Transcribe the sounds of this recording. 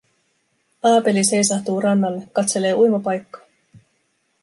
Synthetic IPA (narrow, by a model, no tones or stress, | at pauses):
ɑːpe̞lise̞jsɑht̪uːrɑnːɑlːe̞kːɑt̪se̞le̞ːujmopɑjkːɑ̥